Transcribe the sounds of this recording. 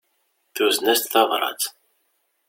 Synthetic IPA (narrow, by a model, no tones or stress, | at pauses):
θuznæst̪θɑvɾˤɑ̰t͡s